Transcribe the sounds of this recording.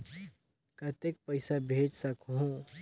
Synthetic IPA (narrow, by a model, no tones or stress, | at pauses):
kət̪ek̚pəɪsabʱed͡ʒsəkɦõ